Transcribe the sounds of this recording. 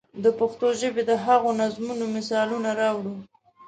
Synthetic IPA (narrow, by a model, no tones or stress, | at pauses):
d̪əpaxt̪oʒəbed̪əɦaɣonazmunomɪsɑlunaɾɑwɽu